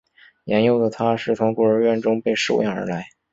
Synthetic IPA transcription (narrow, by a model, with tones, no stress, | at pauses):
jɛ˧˥njo˥˩ʊd̪ə˩t̪ʰa˥ʂɻ̩˥˩t͡sʰʊ˧˥ŋkɔ˥˩ɻə˧˥ɥɛ˥˩nʈ͡ʂʊ˥ŋpe˥˧ɪʂo˥˧ʊjɛ̰˥˩nə̰˞˧˥la˧˥ɪ